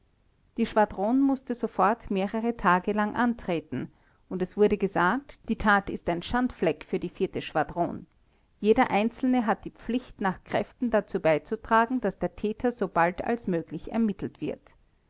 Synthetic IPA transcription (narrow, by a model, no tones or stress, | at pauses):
d̥iːʃv̥adʁoːnmʊstəzofɔɐtmeːʁəʁətʰaːɡəlaŋʔantʁ̥eːtn̩ | ʊntɛsv̥ʊɐɾəɡəzaːk̚td̥iːtʰaːtɪstæɪnʃantflɛkfyːɐdiːfɪɐtəʃv̥adʁo̰ːn | jeːdɐʔaɪnt͡sl̩nəɦat̚d̥iːp͡flɪçtnaːχkʁ̥ɛftn̩dat͡suːbaɪt͡sutʁ̥aːɡŋ̩d̥asd̥eːɐtʰɛːtʰɐzob̥altʰa̰lsmøːɡlɪçɛ̰ɐmɪtl̩tv̥ɪɐt